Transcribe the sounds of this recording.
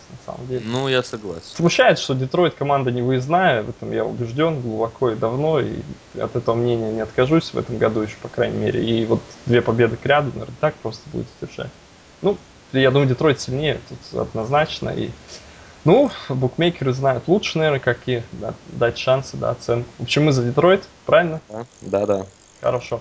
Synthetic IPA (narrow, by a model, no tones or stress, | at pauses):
nɐsa̰mə̰mdʲelʲnujasɐɡlˠa̰sʲsmʊɕːæjɪt̪sʂt̪odʲɪt̪ɾo̞jt̪kɐmand̪ənʲɪvɨznajəvɛt̪əmja̰ʊ̰bʲɪʐdʲo̞nɡlˠʊbɐkʰo̞ɪd̪ɐvno̞ḭ | ɐ̰t̪ɛt̪əvəmnʲenʲɪjənʲɪɐt̪kɐʐusʲvɛ̰t̪əmɡɐd̪ujɪɕːo̥pɐkɾajnʲɪ̰mʲḛɾʲɪ̰ivo̞t̪d̪vʲe̞pɐbʲe̞d̪ɨkɾʲad̪ʊnɐvʲernət̪ak̚pɾo̞st̪əbṵdʲɪt̪sʲvʲɪrʐa̰tʲ | nu | jad̪uməɨdʲɪt̪ɾo̞jt̪sʲɪlʲnʲejət̪ut̪ɐ̰d̪nɐznat͡ɕnə̰ʔḭ | nubʊkmʲejkʲɪɾɨznajʊt̪lˠutʂɨ̥nɐvʲeɾnəkɐkʲijəd̪a̰d̪atʲʂansɨd̪a̰ɐt̪sɛnkʊvo̞pɕɪmːɨzədʲɪt̪ɾo̞jt̪pɾavʲɪlʲnəad̪ad̪a | xə̰ɾɐʂo̞